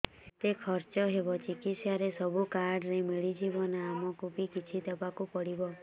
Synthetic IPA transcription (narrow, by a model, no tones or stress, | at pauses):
t̪ekʰɔɾt͡ʃɔɦebɔt͡ʃikisjaɾesɔbukaɾɖɾemiɭid͡ʒibɔnaamɔkupikit͡ʃʰit̪epakupɔɽibɔ